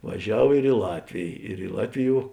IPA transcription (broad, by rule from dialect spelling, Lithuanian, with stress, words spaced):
ʋɐˈʒʲɛw ɪr ɪ ˈlˠɑːtʲʋʲeːj ɪr ɪ ˈlˠɑːtʲʋʲɪˌjuɔ